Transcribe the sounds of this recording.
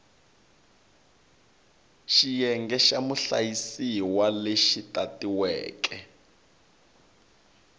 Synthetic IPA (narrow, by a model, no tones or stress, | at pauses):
ʃijɛŋɡɛʃamuɬa̰jisiwaleʃitʼatiwɛ̰ːkɛ